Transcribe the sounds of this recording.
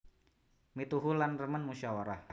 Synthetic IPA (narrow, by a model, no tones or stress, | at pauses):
mit̪uɦulanrəmənmuʃawaɾah